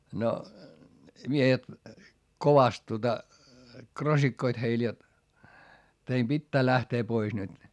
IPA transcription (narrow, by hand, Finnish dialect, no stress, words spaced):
no miehet koʋɑst tuotɑ krosikːoit heil jot teim b̥itːæː læhteː pois nyt